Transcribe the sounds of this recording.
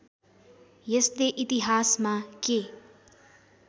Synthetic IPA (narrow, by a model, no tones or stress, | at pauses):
jesd̪eʔit̪iɦaːsmãke